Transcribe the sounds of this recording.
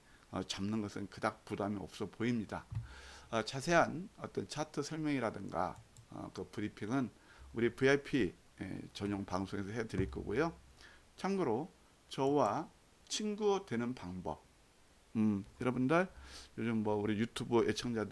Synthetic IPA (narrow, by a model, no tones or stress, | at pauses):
ʌ̰t͡ɕamnɯnɡʌsʰɯnkɯdak̚pudamiʌ̰p̚s͈ʌpoimɲida | ʌt͡ɕasʰe̞ɦanʌt͈ʌnt͡ɕʰatʰɯsʰʌɭmjʌŋiɾadɯŋɡa̰ʌ̰kɯpɯɾipʰiŋɯn | uɾipuajpʰḭ | t͡ɕʌɲoŋpaŋsʰoŋe̞s̬ʰʌɦetɯɾik͈ʌ̰ɡo̰jot͡ɕʰaŋɡɯɾo | t͡ɕʌwa | t͡ɕʰinɡutwe̞nɯnpaŋbʌ̰p̚ | jʌɾʌbundɯɭjod͡ʑɯmmʌuɾijutʰubɯʔet͡ɕʰʌŋd͡ʑad